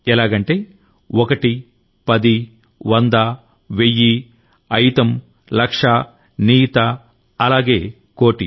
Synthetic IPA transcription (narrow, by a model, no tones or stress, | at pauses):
ɛlaːɡɐɳʈeː | ɔkɐʈi | pɐd̪i | ʋɐnd̪ɐ | ʋejːi | ɐjt̪ɐm | lɐkʂa | niːt̪ɐ | ɐlaːɡe̞ː | koːʈi